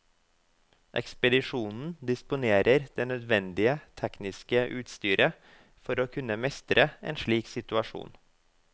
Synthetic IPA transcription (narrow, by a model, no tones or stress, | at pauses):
ʔɛ̰kspəd̪ɪʂuːnn̩d̪ɪspʊneːɾʔəɾd̪̥eːnœd̪ʋɛnd̪ɪət̪ʰɛknɪskəʔʉːt̪st̪yːɾʔə | fɔɾoːkʰʉnəmɛst̪ɾəḛːnʃɭiːksɪt̪ʉɑʂṵːn